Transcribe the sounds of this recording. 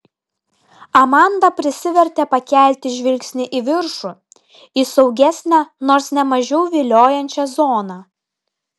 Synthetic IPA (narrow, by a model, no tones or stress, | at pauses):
ɐmɑˑnd̪ɐpʲɾʲɪsʲɪʋʲɛɾʲt̪ʲɛpɐkʲæˑlʲt̪ʲɪʒʲʋʲɪlʲksʲnʲɪʔɪʋʲɪɾʃu | isɒʊɡʲæsʲnʲænoːɾsnʲɛmɐʒʲɛʊʋʲɪlʲoːjɛnʲt͡ʃʲɛzoːnɑ